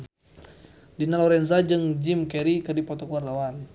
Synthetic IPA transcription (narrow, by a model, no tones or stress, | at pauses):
dinalɔɾɛnzad͡ʒɨŋd͡ʒimkɛɾikɨrdipɔt̪ɔkuart̪awan